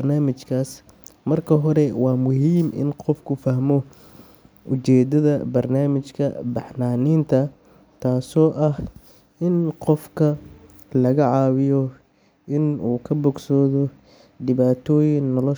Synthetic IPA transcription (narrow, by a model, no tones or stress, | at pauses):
rnaːmɪt͡ʃkʰaːs | mɐrkʰɐɦɔɾɛwɑːmʊɦiːmɪ̰nqɔfkʰʊfɐɦmɔ | ʔʊt͡ʃɛːd̪ɐðɐbɐrnaːmɪt͡ʃkʰɐ̰bɑħnaːniːnt̪ʰɐ | t̪ʰaːsɔːʔɐh | ʔɪnqɔfkʰɐ | lɐɣɐʕɑːwɪjɔ | ʔɪnuːkʰɐbɔɡsɔːðɔ | ɖɪβaːt̪ʰɔːjɪnːɔlɔ